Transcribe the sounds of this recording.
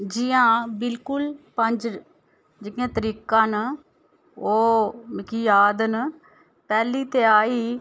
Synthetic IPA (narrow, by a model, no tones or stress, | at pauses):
d͡ʒɪjãːbɪlkʊlpə̃ɲd͡ʒ | d͡ʒɪɪjãːt̪əɾiːkãːn | oːmɪkiːjaːd̪n | pɛːliːt̪eːaːiː